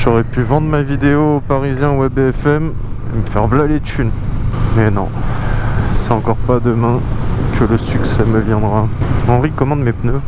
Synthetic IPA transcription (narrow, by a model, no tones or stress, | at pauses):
ʒɔʁɛpyvɑ̃d̪ʁmavid̪eopaʁizjɛ̃wɛbɛfɛm | eməfɛʁblalet̪ynmɛnɔ̰̃ | sɛt̪ɑ̃kɔʁpad̪əmɛ̃kʰələsyksɛməvjɛ̃d̪ʁaɑ̃ʁikɔmɑ̃d̪mepnø